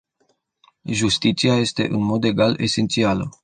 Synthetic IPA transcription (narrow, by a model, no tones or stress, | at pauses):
ʒust̪it̪siaje̞st̪e̞̰ʔɨnmo̞d̪e̞ɡale̞̰se̞nt̪sialə